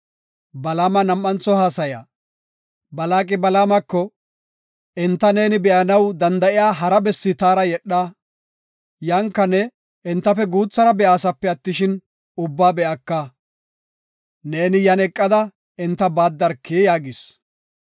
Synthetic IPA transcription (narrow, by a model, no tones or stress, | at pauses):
bɐlaːmɐnɐmːɐnt͡sːɔhaːsɐja̰ː | bɐlaːkʼɪbɐlaːmɐkːɔ | ɪnt̪ːɐne̞ːnɪbɛʔɐnɐwd̪ɐnd̪ɐʔɪjaːɦɐɾɐbɛsːɪt̪aːɾɐjɛɗːa | jɐŋkːɐnɛ | ɪnt̪ːɐfɛɡuːt͡sːɐɾɐbɛʔaːsɐpːɛɐt̪ːɪʃɪn | ʊbːaːbɛʔɐkːɐ | neːnɪjɐnɛkʼːɐd̪ɐ | ɪnt̪ːɐbaːd̪ːɐɾkːejaːɡɪs